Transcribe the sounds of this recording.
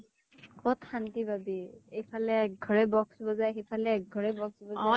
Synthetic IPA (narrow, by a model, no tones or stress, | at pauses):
kɔtxantibʱabiejpʰalɛɛk̚ɡʱɔɹɛbɔksbɔzajxejpʰalɛːɡ̚ɡʱɔɹɛbɔksbɔa